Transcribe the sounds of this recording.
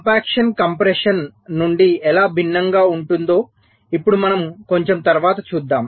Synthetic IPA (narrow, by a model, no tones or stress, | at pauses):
paːkʂɐnkɐmpɾɛʂɐnːuɳɖiɛlaːbʱinːɐŋɡaːuɳʈund̪o̞ː | ipːuɽumɐnɐmko̞ɲt͡ʃe̞mt̪ɐɾʋaːt̪ɐt͡ʃuːd̪ːaːm